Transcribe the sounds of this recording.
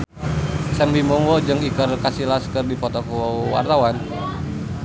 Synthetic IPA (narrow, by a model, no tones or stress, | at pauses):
sɛmbimɔŋɔd͡ʒɨŋikərkasilaskərdipɔt̪ɔkɔwa̰rt̪awan